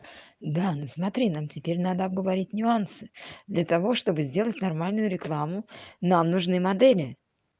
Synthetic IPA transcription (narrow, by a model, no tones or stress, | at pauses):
d̪anosmɐt̪ɾʲinamtʲɪpʲeɾʲnad̪əɐb̚ɡəvɐɾʲitʲnʲʊansɨ̥d̪lʲɐt̪ɐvo̞ʂt̪o̞bɨzʲdʲe̞lˠətʲnɐrmalʲnʊjʊɾʲɪklˠamʊnamnʊʐnɨmɐd̪ɛlʲɪ